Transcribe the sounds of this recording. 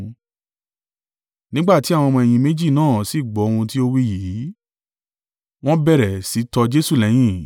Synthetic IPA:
nĩ˦ɡ͡ba˦˨ti˨˦a˦˨w̃mɔ̃˧ɛ˨j̃ĩ˧mẽ˦d͡ʒi˦˨nãː˦˨si˨˦˨ɡ͡bɔ˨˦o˧hũ˧ti˦o˦wi˦ji˨˦ | w̃ɔ̃˦bɛ˦˨ɾɛ˨si˨˦tɔ˧d͡ʒe˦su˦˨lɛ˨˦j̃ĩ˦˨

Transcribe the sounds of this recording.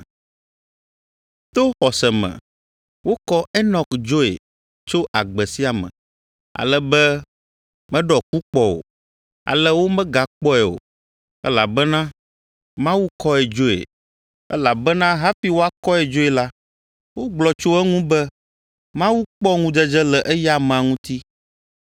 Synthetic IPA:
t̪o˦xɔ˨sɛ˨mɛ̰̃˨ | wo˦kɔ˦ɛ˦nɔ̃˨kd͡ʒo˦ḛ˨ | t͡ʃo˦ʔa˨ɡ͡bɛ˨si˦a˨mɛ̰̃˨ | a̰˨lɛ˦bɛ˦ | mɛ̃˦ɖɔ˨ku˦k͡pɔ˦o̰˨ | a̰˨lɛ˦wo˦mɛ̃˦ɡa˨k͡pɔ˦ɛ˨o̰˨ | ɛ̰˦la˨bɛ˦nã˦ | mã˦wu˦kɔ˦ɛ˨d͡ʒo˦ḛ˨ | ɛ̰˦la˨bɛ˦nã˦ɦa˦fi˦wo˦a˦kɔ˦ɛ˨d͡ʒo˦e˨la˦ | wo˦ɡ͡blɔ˨t͡ʃo˦ɛ˦ŋũ˦bɛ˦ | mã˦wu˦k͡pɔ˦ŋũ˦d͡ʒɛ˦d͡ʒɛ˦lɛ˨ʔɛ˦ja˦m˨a˨ŋũ˦t̪i˦

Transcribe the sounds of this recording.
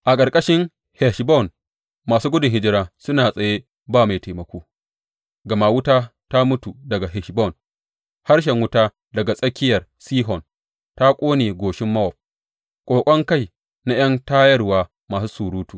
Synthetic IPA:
ʔa˨kʼɐ˨ɾkʼɐ˦ʃɪ˦ŋ | hɛ˨ʃbɔ˦˨n | maː˨suː˦ɡʷʊ˦dʊ˨ŋɦɪ˦d͡ʒɪ˦ɾaː˦sʊ˦naː˨sʼɐ˨je˦ | baː˦˨ma˨jte˨mɐ˨kʷoː˦ | ɡɐ˨ma˨wʊ˦taː˦ta˦mʊ˦tu˨dɐ˨ɡa˨ɦɛ˨ʃbɔ˦˨n | ha˦rʃ̬ɛ˨ŋwʊ˦taː˦ | dɐ˨ɡa˨sʼɐ˦kʲɪ˦jɐ˨rsiː˦ɦɔ˨n | ta˦kʷʼoː˦neː˨ɡʷoː˨ʃɪ˦mːɐ˦wɔ˨p̚ | kʷʼoː˨kʷʼɔ˦ŋka˦˨j | na˦j̰ɐ˦ntaː˦jɐ˦rwaː˦ | maː˨su˦suː˨ɾuː˦tuː˨

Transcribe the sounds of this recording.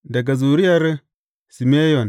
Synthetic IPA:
da˨ɡa˨zu˨ɾi˦a˦ɾe˦ | si˨me˦jo˨n

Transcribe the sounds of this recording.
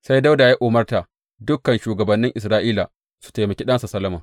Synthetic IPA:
sa˦jda˦wda˨ja˦ʔoː˨mɐ˦rta˨ʔ | dʊ˦kːɐ˨nʃuː˨ɡɐ˨bɐ˨nːɪ˦ŋʔɪ˨sɾaː˦ʔiː˦la˨ | su̥˨ta˨jmɐ˨kʲi˦ɗɐ˦nsa˨sɐ˦lɐ˦ma˨

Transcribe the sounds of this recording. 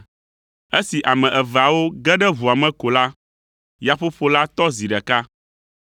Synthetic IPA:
e˦si˨ʔa˨mɛ̃˨ʔɛ˨va˨wo˦ɡɛ˦ɖɛ˦vu˨a˨mɛ̃˦ko˨la˦ | ja˨ɸo˦ɸo˨la˦t̪ɔ˦zi˨ɖɛ˨ka˦

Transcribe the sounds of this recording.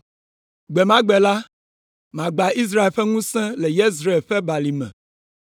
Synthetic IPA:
ɡ͡bɛ˨mã˦ɡ͡bɛ˨la˦ | mã˨ɡ͡ba˨ʔi˦s̬ɾa˦e˨lɸɛ˦ŋũ˦sɛ̃˦lɛ˨je˦z̬ɾa˦e˨ɸɛ˦ba˨li˨mɛ̰̃˨

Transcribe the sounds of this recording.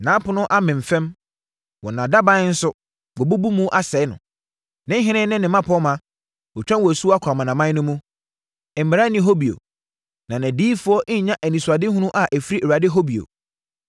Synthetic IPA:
nã˨˦pʊ˨nʊ̃˦ʔa˦mɪ̃˨m̩˨fɛ̃˦m | wɔ˨nã˨da˦bã˦n̩˦sʊ˦ | ɡɔ˨bu˦bu˦mũ˦ʔa˦sɛ˨˦nʊ̰̃˨ | nɪ̃˦ɦɪ̃˦nɪ̃˦nɪ̃˦nɪ̃˨mã˦pʰɔ˨˦mã˨ | ɔ˨t͡ɕᶣã˦nwɔ˨æ˨su˦a˦kʰa˨mã˨nã˨mã˦nʊ̃˦mũ˦˨ | m̩˨mɪ˨ɾa˦nɪ̃˦ɦo˦bi˨o̰˨ | nã˨nã˨diː˦fʊ˦ɔ˦ʔɲ̩˦ɲã˦ʔæ˨nĩ˨su˨a˨dɪ˦hũ˦nũ˦ʔa˨ʔæ˨fi˦ɾi˦ʔe˨a˨dɪ˦ɦo˦bi˨o̰˨

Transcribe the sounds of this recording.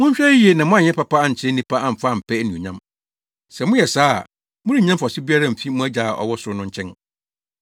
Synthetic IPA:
mʊ̃˦ɲ̩˦ɕᶣɛ˦i˦e˨nã˨mʊ̃˦ã˦˨ɲɛ̃˦pʰa˦pʰa˦a˨ɲ̩˨t͡ɕʰɪ˦nĩ˦pa˦a˨m̩˨fa˦˨m̩˨pʰɛ˦nĩ˨o˨ɲã˦m | sɛ˨mʊ̃˦jɛ˨sa̰ː˦˨ | mʊ̃˦ɾi˦˨ɲã˦m˦fsɪ˦bi˦a˦ɾã˦˨m̩˨fi˦mũ˦æ˦d͡ʑa˨a˨ʔɔ̰˨wɔ˦sʊ˨˦nʊ̃˦ɲ̩˦t͡ɕʰɛ̃˦n

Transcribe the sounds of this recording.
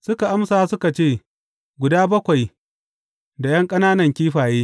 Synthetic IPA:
sʊ˦ka˨ʔa˦msaː˨sʊ˦ka˨t͡ʃeː˦˨ | ɡʷʊ˨daː˦bɐ˦kʷa˨j | da˨jɐ˦ŋkʼɐ˦naː˦nɐ˨ŋkʲiː˦ɸaː˨jeː˦

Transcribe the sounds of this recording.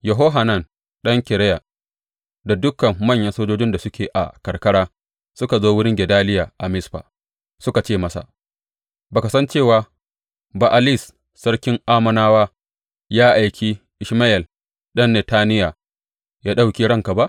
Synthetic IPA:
jɐ˨ɦoː˦ɦa˨nɐ˦˨n | ɗɐ˦ŋkʲɪ˨ɾɛ˦ja˨ | da˨dʊ˦kɐ˨mːɐ˦˨ɲjɐ˦nsoː˦d͡ʒoː˦d͡ʒɪ˦nda˨sʊ˦kʲeː˨ʔa̰˨kɐ˨ɾkɐ˦ɽaː˦ | sʊ˦ka˨zoː˦wʊ˦ɽɪ˦ŋɡʲɛ˨daː˦lɪ˦jaː˨ʔa˨mɪ˦sɸa̰ː˨ | sʊ˦ka˨t͡ʃeː˦˨mɐ˦sa̰˨ | baː˨ka˨sɐ˦nt͡ʃeː˦˨waː˨ | ba˨ʔa˨lɪ˦˨s | sɐ˦ɽkʲɪ˦ŋʔaː˦mɐ˨naː˦waː˦ | jaː˦ʔa˨jkʲiː˦ | ʔɪ˨ʃma˦ʔɛ˨l | ɗɐ˦nːɛ˨taː˦nɪ˦ja˨ | jaː˦ɗa˦wkʲiː˦ɽɐ˦ŋka˨ba˦ʔ

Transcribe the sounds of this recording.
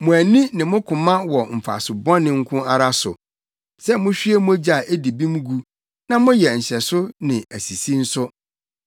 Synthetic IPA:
mʊ̃˨æ˨nĩ˦nɪ̃˨mʊ̃˦kʰʊ̃˨mã˦wɔ˨m̩˨fa̰˨sʊ˨bɔ̃˦nɪ̃˨ŋ̩˦kʰʊ̃˦a˨ɾa˦sʊ̰˨ | sɛ˦mʊ̃˦ɕᶣi˦e˦mʊ̃˦d͡ʑi˦a˨ʔe˦di˨bĩ˦m˦ɡu˦ | nã˦mʊ̃˦jɛ˨ɲ̩˨ɕɛ˨sʊ˦nɪ̃˨æ˨si˨si˦n̩˦sʊ˦

